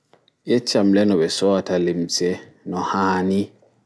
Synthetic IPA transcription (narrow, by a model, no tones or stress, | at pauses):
jɛt͡ʃːamlɛnɔbɛsɔatalemsɛ | nɔhaːni